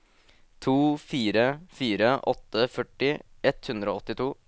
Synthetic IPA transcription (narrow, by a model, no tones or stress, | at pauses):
t̪ʰuːfiːɾəfiːɾəʔɔt̪ːəfœʈːɪɛt̪hʉnd̪ɾəoːɔt̪ːɪt̪ʰuː